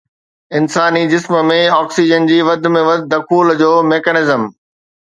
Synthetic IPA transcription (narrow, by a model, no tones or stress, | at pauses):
ɪnsaːnid͡ʑɪsmə̆mẽɔːksiːd͡ʑənd͡ʑiːʋɐd̪̆ʱmẽʋɐd̪ʱd̪ɐkʰuːld͡ʑoːmeːkənɪzəm